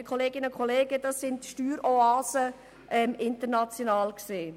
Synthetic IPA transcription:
əkʰɔleːɡɪnəkʰχɔleːɡəd̥ɑsɪntʃtyːɾoaːsə | ʔɛmɪntəɾnɑt͡sjonɑːlkseː

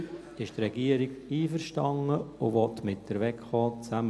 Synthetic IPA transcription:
ɪʃtrɛɡiəɾɪɡiːfəɾʃtɑŋəʊvɔtmɪt̚dəɾʋɛkχɔːt͡sæm

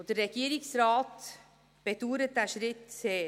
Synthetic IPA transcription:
d̥əɾːɛɡ̥iːɾɪksrɑːt | b̥ed̥uːɾət̚d̥æːʃɾɪte

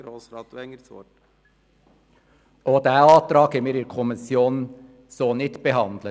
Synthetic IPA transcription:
ɾoːsɾɑːt̪uɛŋəso̰ | ʔoːd̪æːɑːt̪ɾɑːɡəmeːɾɪɾkʰʊmɪsjuːnn | soːnɪt̪bəɦɑnd̪lə

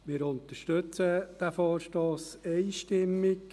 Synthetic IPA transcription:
mɪːɾʊnt̪əʃtɵt͡səd̥æfɔːrʃtoːsɛɪʃtɪmːɪk

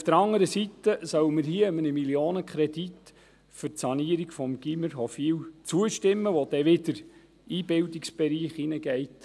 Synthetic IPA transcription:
ufd̥̪əɾɑŋəɾəsit̪əsœwəməɾɦiəəmənəmiljoːnəkχɾɛdit | fʏrtsɑniəɾiɡfɔmɡ̥iməɾɦɔfiːwt͡suəʃtɪmːəʋɔd̥ɛʋɪdəɾ | iːbɪldiksb̥ɛɾiːχinəɡɛɪt

